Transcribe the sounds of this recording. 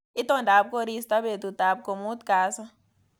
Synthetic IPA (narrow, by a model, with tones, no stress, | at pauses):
i˦t̪ɔ˦nda˨p̚ko˦ɾi˦st̪a˦be˨t̪u˨t̪a˨p̚ko˨mu˦t̪kaː˨˦sa˦